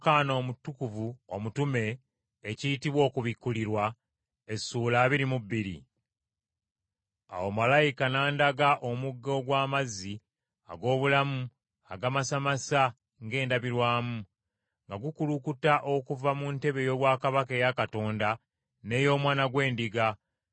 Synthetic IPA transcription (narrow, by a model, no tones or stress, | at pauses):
kaːno̞ːmutːukuvuomutume̞ː | ciitiβwo̞ːkuβikːuliɾwa | e̞sːuːlaːβiɾimubːiɾḭ | a̰womalajikanaːndaɡaʔo̞muɡːo̞ːɡwaːmazi | a̰ɡo̞ːβulamu | aɡamasamasa | ŋɡe̞ːndaβiɾwaːmu | ŋɡaɡukulukutaʔo̞kuvamunte̞βe̞jo̞ːβwaːkaβakejakato̞ːnda | ne̞ːjo̞ːmwaːnaɡwe̞ːndiɡa